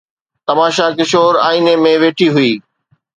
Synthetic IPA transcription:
t̪ɐmaːʃakɪʃoːɾaːinemẽʋeːʈʰiɦʊiː

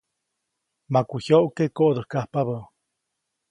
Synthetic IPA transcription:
makʷuhjoʔkekoʔd̪əhkahpaβə

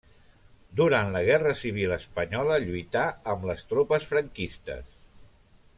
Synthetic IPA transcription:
d̪uɾant̪ləɣ̞ɛrəsiβ̞ilˠəspəɲɔləʎujt̪aəmləst̪ɾopəsfɾəŋkist̪ə̰s

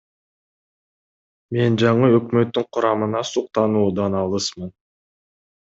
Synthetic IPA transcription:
me̞nd͡ʒɑɴɯøkmø̞t̪ːyŋqʰuɾɑmɯnɑsuq̚t̪ɑnuːd̪ɑnɑlˠɯsmɯn

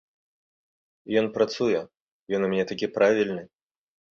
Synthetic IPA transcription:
jɔnpɾat̪sujɛ | jɔnumʲɛnʲɛt̪akʲipɾavʲilʲnɨ

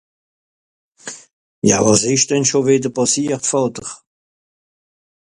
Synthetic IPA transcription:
jɑ̰vɑːsɪʃd̥ɛnʃovɪdəpʰɑsiːɐʁtfɑːtəʁ

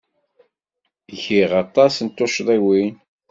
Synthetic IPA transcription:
çiʁɑt̪ˤːɑsənt̪ːoʃðˤiwin

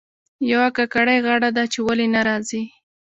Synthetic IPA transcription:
jawakakaɽajɣaɽad̪at͡ʃewalenaɾɑzi

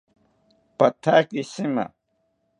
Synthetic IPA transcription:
pɐt̪ʰaːkisimɐ̰

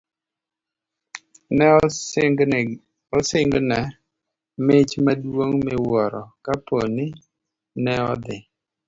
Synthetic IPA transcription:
nɛ | ɔsɪŋɡnɛ | mɪt͡ʃmadwoŋmɛwɔɾɔkaponɪ | nɛɔ̰d̪ɪ

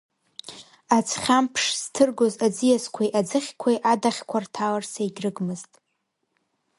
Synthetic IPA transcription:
at͡sʰχʲampʰʂz̥tʰɨrɡozad͡zɨjaskʷʰajʔad͡zɨχʲkʷʰajʔadaχʲkʷʰartʰalarsaiɡʲrɨɡmɨztʼ

